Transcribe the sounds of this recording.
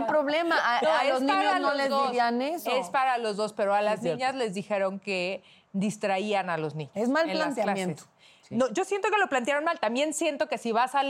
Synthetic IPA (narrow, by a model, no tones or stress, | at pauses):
pɾoβlemaʔnoelosaɲalnolezðoɾsianesespaɾalo̞zðo̞spe̞ɾoalaznĩɲazle̞zðixe̞ɾo̞ŋke̞ | d̪ist̪ɾaianalo̞znĩɲoemalelaanstjlaenset̪s | noʝo̞sjent̪o̞ke̞lo̞plant̪jaɾo̞nmalt̪ambje̞nsjent̪o̞ke̞siβasa